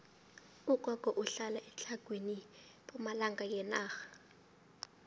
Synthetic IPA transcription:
ukʼwakʼɔʔuɬalaʔɛt͡ɬʰʼaɡ̥ʱwenipɔmalaŋɡʱajɛnaːxḁ

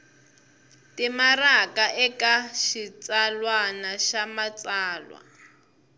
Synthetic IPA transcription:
timarakaʔɛkaʃit͡salwanaʃamat͡saːlwa̰

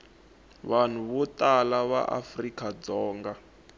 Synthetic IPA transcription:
βan̤uβɔtalaβa̰ʔa̰frikʼad͡zɔːŋɡa

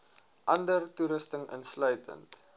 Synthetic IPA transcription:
ʔɐndərtuɾəstəŋə̰nsləjtʰə̰nt

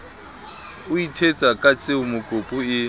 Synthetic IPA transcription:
ʊitʰet͡sʼakʼat͡sʼɪʊmʊkʼopʼʊɪ

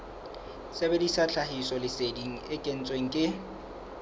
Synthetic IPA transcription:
sebedisat͡ɬʰaɦisɔlɪsediŋ̩ɪkʼen̩t͡sʼweŋ̩kʼɪ

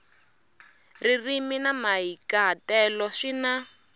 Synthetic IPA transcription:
ririminamaɦikaɦatɛlɔʂina

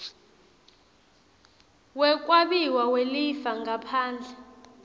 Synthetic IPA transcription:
wɛk̬ʼwaɓiwawelifaŋapʰaːnd͡ɮʱa

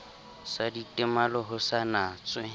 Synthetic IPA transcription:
saditʼɪmalɔɦʊsanaːt͡sʼwɪ

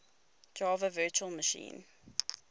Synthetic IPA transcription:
d̥ɹɑːvəvɜːˑt͡ʃuəlˠməʃḭ̃ːn

